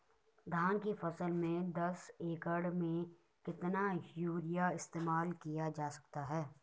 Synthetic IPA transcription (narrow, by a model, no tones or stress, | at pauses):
d̪ʱaːnkifɐsəlmẽd̪ɐseːkəɽmẽ | kɪt̪najuːɾijaɪst̪eːmaːlkijad͡ʒaːsɐ̥k̚t̪aɦɛː